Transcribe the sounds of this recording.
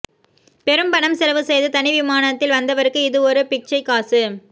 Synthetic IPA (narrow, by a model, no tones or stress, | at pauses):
pɛɾɯmbɐnɐmsɛlɐʋɯsɛjðɯt̪ɐnɪʋɪmaːnɐt̪ːɪlʋɐnd̪ɐʋɐɾɯkːɯɪðɯɔɾɯpɪk̚t͡ʃɐɪkːaːsɯ